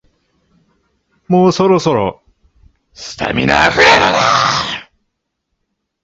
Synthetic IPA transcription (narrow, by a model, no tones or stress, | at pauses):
moːsoɾosoɾo̰ | sɨ̥t̪ʰa̰mʲinaɸɯɾaaa